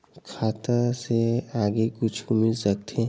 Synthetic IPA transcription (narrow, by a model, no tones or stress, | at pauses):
kʰaːt̪aseaːɡekʊt͡ʃʰʊmɪsɐk̚t̪ʰe